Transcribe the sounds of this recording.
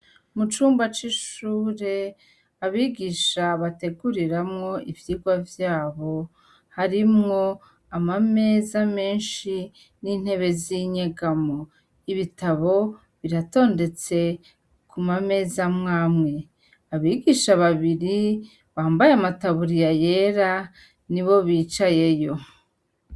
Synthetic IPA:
mut͡ʃuːmbat͡ʃiʃuːɾe̞ | aβiːɡiʃaβate̞ɡuɾiɾamŋo̞ʔivjiːɡwavjaːβo̞ | haɾimŋo̞ | amame̞ːzame̞ːnʃi | niːn̥he̞βe̞ziɲeɡamo | iβitaβo̞ | βiɾato̞ːnde̞t͡se̞ | kumame̞ːzamŋaːmŋe̞ | aβiːɡiʃaβaβiɾi | βaːmbajamataβuɾijaje̞ɾa | niβo̞βiːt͡ʃaje̞jo̞

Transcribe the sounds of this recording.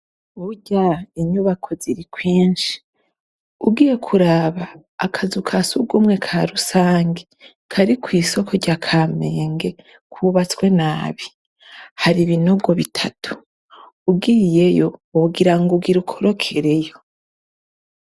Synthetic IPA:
uɟaiɲuβakʰo̞ziɾikwiːnʃi̥ | ubɡiːje̞kʰuɾaβaː | kʰazukʰasuɡumŋe̞kʰaɾusaːŋɡe | kʰaɾikwiːso̞kʰoɟakʰaːme̞ːŋɡe̞ | kʰuβat͡swe̞naːβi | haɾiβino̞ɡo̞βitʰatʰu̥ | ub̚ɡije̞jo̞ɡiɾaŋɡuɡiɾukʰoɾo̞kʰe̞ɾe̞jo̞

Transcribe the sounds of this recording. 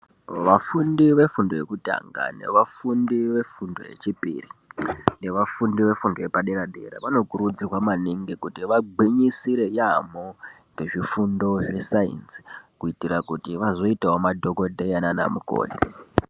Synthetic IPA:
ʋafundiʋe̞fundo̞je̞kuta̰ŋɡa̰ne̞̰ʋafundiʋe̞fundo̞̰je̞̰t͡ʃipḭrine̞ʋafundiʋe̞fundo̞jepaɗeɾaɗḛɾa̰ʋano̞kuɾud͡zikwamaniŋɡikutiʋaɡ͡biɲisiɾe̞jamoŋɡe̞ʐifundo̞ʐesaḭnsi̥kuitirakutiʋazo̞itawomadʱoko̞dʱejanana̰muko̰ːne

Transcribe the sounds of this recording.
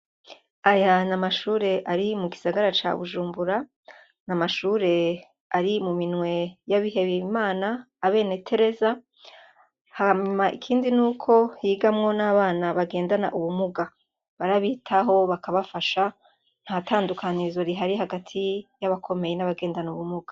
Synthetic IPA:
ajanamaʃuːɾe̞ʔaɾimuɡisaɡaɾat͡ʃa̰βuʒuːmbuɾa | namaʃuːɾe̞ | aɾimuminwe̞jaβiɦe̞βiimaːnaː | βe̞ːne̞tʰe̞ɾe̞za | haɲumaʔḭkʰiːndinuːkʰo̞hiːɡamŋo̞naβaːnaβaɡe̞ːndana̰ʔuβumuɡa | βaɾaβiːtʰaɦo̞βakaβafaʃa | n̥hatʰaːndukʰanizoɾiɦaɾiɦaɡatʰijaβakʰo̞me̞jenaβaɡe̞ːndanuβumuɡ̥ḁ

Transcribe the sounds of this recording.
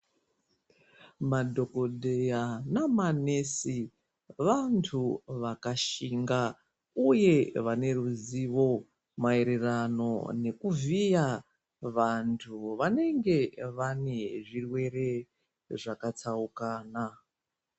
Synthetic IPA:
madʱo̞ko̞dʱe̞janamanesi | ʋantʰuʋakaʃiŋɡa | uje̞ʋane̞ruziʋo̞ | maeɾerano̞̰ne̞kuvija | ʋantʰuʋane̞ŋɡe̞ʋane̞ʐirwe̞re̞ | ʐakat͡saukaːna

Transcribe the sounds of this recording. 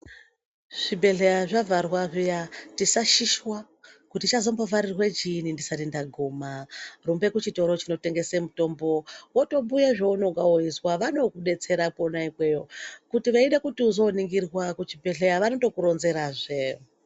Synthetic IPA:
ʐ̥ibʱe̞ɮejaʐavʱarwaʐijatisaʃiʃwa | kutit͡ʃazombovaɾirwe̞d͡ʒinindisadindaɡʱoːmarumbe̞kut͡ʃito̞ɾo̞t͡ʃino̞te̞ŋɡe̞se̞muto̞mbo̞woto̞mbujeʐouno̞ŋɡawoiswaʋano̞kuɗe̞t͡se̞ɾakonaikwe̞jo̞kutiʋaiɗekutiuzo̞niŋɡirwakut͡ʃibʱe̞ɮejaʋano̞to̞kuɾo̞nze̞ɾaʐe

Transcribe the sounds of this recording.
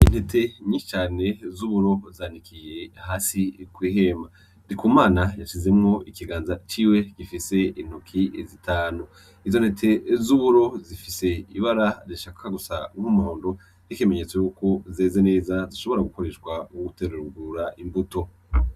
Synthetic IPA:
inhe̞tʰe̞ɲit͡ʃaːne̞zuβuɾo̞zaːnikʰije̞haːsikwiːɦe̞ma | ndikuːmaːnajaʃize̞mŋo̞ʔikiɡaːnzat͡ʃiːwe̞ɡ̥ifise̞in̥okʰizitʰaːnu | izo̞nhe̞tʰe̞zuβuɾo̞zifise̞iβaɾaziʃaːkʰaɡusa̰ŋhumuhoːndo̞ | nikeme̞ɲe̞t͡sojuko̞zeːzene̞ːzaziʃo̞βo̞ɾaɡuko̞ɾe̞ʃkwauɡuteɾeɾuɡuɾaʔimbuto̞

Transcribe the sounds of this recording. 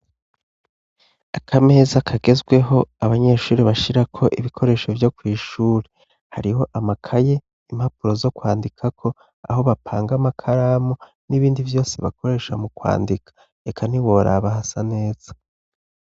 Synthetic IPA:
akʰame̞zakʰaɡezɡwe̞ɦo̞aβaɲe̞ʃuːɾiβaʃiɾakʰo̞ʔiβikʰo̞ɾe̞ːʃovjo̞kwiːʃuːɾe | haɾiho̞ʔamakʰaje̞ | im̥hapuɾo̞zo̞kwaːndikʰakʰo̞ | a̰ho̞βapʰaːŋɡamakʰaɾaːmo | niβiːndivjo̞ːseβa̰kʰo̞ɾe̞ʃamukwa̰ːndikʰḁ | ekʰan̥iwo̞ɾʔa̰βahasane̞ːz̥a

